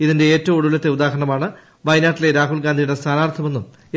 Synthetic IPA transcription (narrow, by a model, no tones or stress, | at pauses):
iðinde̞eːtːɐʋoɽulɐt̪ːe̞ud̪aːɦɐɾɐɳɐmaːɳɨ | ʋɐjnaːʈːile̞ɾaːɦuɭɡaːnd̪ʱijɽe̞st̪ʰaːnaːrt̪ʰɐme̞nːum